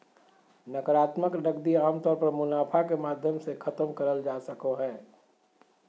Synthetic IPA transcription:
nəkəɾaːt̪məknəɡd̪iaːmt̪ɔːɾpəɾmʊnaːpʰakemaːd̪ʱjəmsekʰɐt̪əmkəɾəld͡ʒaːsəkoɦɛː

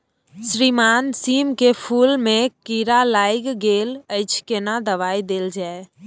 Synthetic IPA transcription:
sɾimansimkepʰulmekiɾalajɡɡeləɪt͡ʃʰkenad̪əβaid̪eld͡ʒae

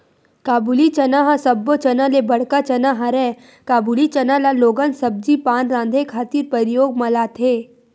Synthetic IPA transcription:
kaːbulit͡ʃɐnaɦãsɐbːot͡ʃɐnalebɐɽ̤kat͡ʃɐnaɦãɾɛː | kaːbuːlit͡ʃɐnalaloːɡənsɐb̚d͡ʒipaːnɾãːnd̪ʱekʰaːt̪iːɾpəɾɪjoːɡ̚mɐlaːt̪ʰeː

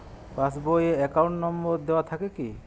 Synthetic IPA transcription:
pasbojeɛkawɳʈnɔmbɔɾd̪ewat̪ʰakeki

